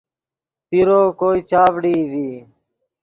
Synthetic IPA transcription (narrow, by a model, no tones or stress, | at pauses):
t̪iɾoːkoːiːt͡ʃaːʋɽiːʋiː